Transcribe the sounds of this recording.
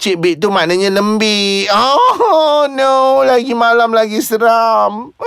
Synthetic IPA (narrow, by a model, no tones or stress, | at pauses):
t͡ʃiʔbiʔt̪umanaɲãləmbiɔ | nolaɡimalamlaɡisəɾam